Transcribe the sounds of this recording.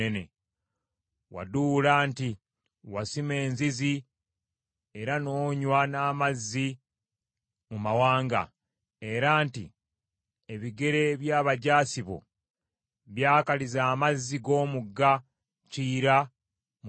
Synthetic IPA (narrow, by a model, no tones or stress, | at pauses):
ene | wa̰duːlaːnti | wasime̞ːnzizi | e̞ɾano̞ːɲwanaːmazːi | mumawaːŋɡa̰ | e̞ɾaːnti | eβiɡe̞ɾe̞βjaːβaɟaːsiβo̞̰ | βjaːkalizaːmazːiɡo̞ːmuɡːa | ciːɾa | m